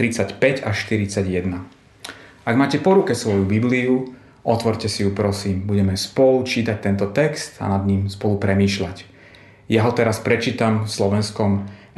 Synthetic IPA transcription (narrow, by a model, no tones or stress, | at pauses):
ɾit͡sacpɛɟaʃt̪iɾit͡saɟjɛd̪na | aɡmaːcɛpɔɾukɛsʋɔjubibliu | ʔɔt̪ʋɔɾcɛsijupɾɔsiːmbuɟɛmɛspɔlut͡ʃiːt̪ac̚t̪ɛnt̪ɔt̪ɛkst̪a̰nad̪ɲiːmspɔlupɾɛmiːʃlac | jaɦɔt̪ɛɾaspɾɛt͡ʃiːt̪amslɔʋɛnskɔm